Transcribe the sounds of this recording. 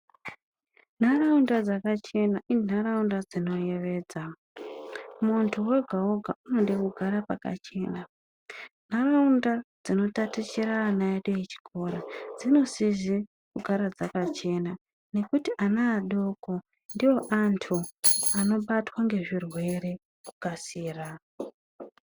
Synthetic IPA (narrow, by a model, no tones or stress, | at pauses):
n̤araundad͡zakat͡ʃe̞naʔin̤aɾaundad͡zino̞je̞ʋe̞ːd͡za | muntʰuwe̞ɡʱaoɡʱaʔuno̞ɗekuɡʱaɾapaka̰t͡ʃe̞na | n̤araundad͡zino̞tatit͡ʃiɾaːnajaɗeit͡ʃi̥ko̞ɾad͡zino̞sizi | kuɡʱaɾad͡zakat͡ʃe̞na | ne̞kutiʔanaːɗo̞ko̞ | ndiwo̞ʔantʰuano̞ɓatwaŋɡe̞ʐirwe̞ɾe̞ | ku̥kasiːra